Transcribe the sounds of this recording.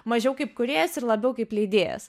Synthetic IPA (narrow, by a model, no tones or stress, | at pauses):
mɐʒʲɛʊkɐɪpkʊɾʲeːjɛsɪrlˠɐbʲɛʊkɐɪplʲɛɪd̪ʲeːjɛ̰s